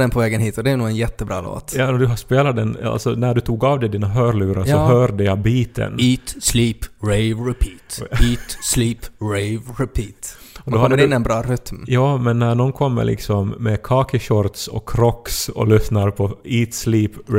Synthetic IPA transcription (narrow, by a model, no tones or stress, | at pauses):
d̪ɛnpʰɔvɛːɡənɦiːt̪ɔd̪ɛːnuːɡɛnjɛt̪ːəbɾɑ̰ːlo̰ːt̪jɑːd̪ɵɦaspeːlad̪ɛna̰lt̪sɔnæɖɵt̪ʰuːɡavd̪ɛd̪iːnaɦœːɾɭʉːɾasɔɦœːɖəjabiːt̪ʰə̰niːt̪sliːpɾɛɪɾɛpʰiːt̪iːt̪sliːpɾɛɪvɾɛpʰiːt̪ɔd̪ɔhad̪ɪnːɛnbɾɑːɾʏt̪mjɑːmɛnːæɳɔnkʰɔmːə̰lʔɪ̰ksɔmːɛkʰɑːkʰəɕɔɾt̪sɔ̰kʰːɾɔkːsɔ̰lʏsnaɾpʰɔiːt̪sliːp